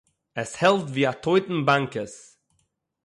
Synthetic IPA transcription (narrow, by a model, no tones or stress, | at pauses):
ɛshɛlˠtviːatʰoɪtn̩baŋkəs